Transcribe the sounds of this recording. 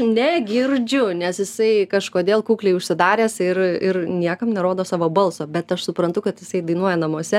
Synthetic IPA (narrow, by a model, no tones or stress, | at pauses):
nʲɛɡʲɪrʲd͡ʒʲʊnʲɛsjɪsɐɪkɐʃkoːd̪ʲeːlˠkuːklʲɛɪʊʃʲsʲɪd̪ɑːɾʲeːsɪrɪrnʲiɛkɐmnʲɛɾoːd̪oːsɑːʋoːbɐlˠsoːbʲɛt̪ɐʃsʊpɾɐnt̪ʊkɐt̪jɪsɐɪd̪ɐɪnuɔjɛnɐmoɔsʲɛ